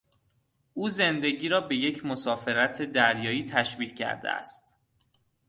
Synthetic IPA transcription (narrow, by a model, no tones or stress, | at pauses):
ʔuːze̞nd̪e̞ɡiːɾɒːbe̞je̞cʰmosɒːfe̞ɾæt̪ʰe̞d̪æɾjɒːiːt̪ʰæʃviːkcʰæ̰ɾd̪ḛæ̰st̪